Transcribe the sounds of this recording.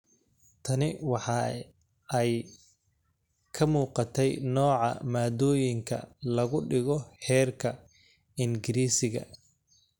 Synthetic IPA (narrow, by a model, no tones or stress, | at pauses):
t̪ʰɐnɪwɑħɑ | ɛj | kʰɐmuːqɑt̪ʰɛjnɔːʕɑ̰maːd̪ɔːjɪŋkʰɐ̰lɐɣʊɖɪɣɔhɛːrkʰɐ | ɪŋɡɪɾiːsɪɣɐ̰